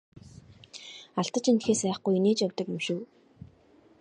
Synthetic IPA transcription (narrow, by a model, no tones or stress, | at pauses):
aɬt̪ə̆t͡ɕint̪xeːsæːχɡujineːt͡ɕawt̪ə̆kemʃŭː